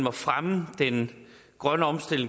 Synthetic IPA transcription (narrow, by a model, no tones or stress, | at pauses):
mɒ̽fʁaməd̥en | ɡ̥ʁɶnəɒ̽msd̥e̝l̝ŋ